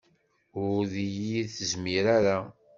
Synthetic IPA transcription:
ʊɾðijiθəzmiɾaɾa

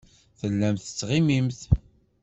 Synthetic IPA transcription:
θəlːæmθət͡sːʁimimθ

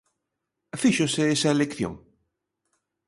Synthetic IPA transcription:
afiʃoseesɐelekθjõ̰ŋ

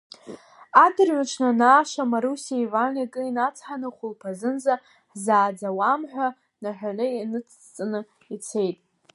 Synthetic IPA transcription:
adɨrɥaʈ͡ʂʰnanaːʃamaɾusiaivanakʼɨinat͡sʰħanɨχʷʊlpʰazɨnza | ħzaːd͡zawamħᶣʷa | naħᶣʷaneinɨt͡sʰt͡sʼɨnɨ | it͡sʰe̞jtʼ

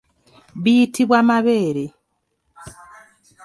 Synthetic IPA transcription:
βitiβwamaβe̞ːɾe

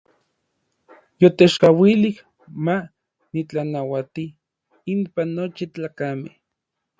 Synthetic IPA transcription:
jot̪eʃkawilih | ma | nit͡ɬanawat̪i | impanːot͡ʃit͡ɬaːkameh

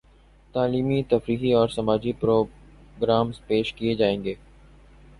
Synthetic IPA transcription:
t̪aːliːmit̪ɐfɾiːɦiɔːɾsɐmaːd͡ʒipɾoː | ɡɾaːmzpeːʃkied͡ʒaːẽːŋɡeː

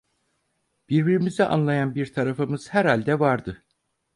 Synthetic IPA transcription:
b̥iɾbiɾimizɛʔa̰nlˠajanbiɾt̪ʰaɾafɯmɯz̥hæɾhalʲd̪ɛvaɾd̪ɯ

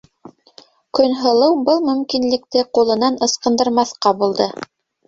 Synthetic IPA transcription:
kɵnɦɤ̆lˠɤwbɤlˠmɵ̆mkinlɘ̆k̚t̪ɘqulˠɤ̆nɑnɤ̆sqɤ̆nd̪ɤ̆ɾmɑθqɑbulˠd̪ɤ

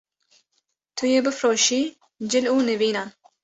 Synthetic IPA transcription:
t̪ʰujeːbɨfɾoːʃiː | d͡ʒɪluːnɨviːnaːn

